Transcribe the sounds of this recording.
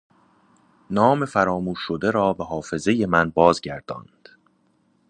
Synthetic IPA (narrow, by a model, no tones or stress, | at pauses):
nɒːme̞fæɾɒːmuːʃːod̪e̞ɾɒːbeɦɒːfe̞zeje̞mænbɒːzɟæɾd̪̥ɒ̰ːnd̪̥